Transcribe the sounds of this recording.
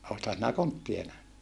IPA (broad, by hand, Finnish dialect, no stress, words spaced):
oːthɑn sinæ kontːie næhny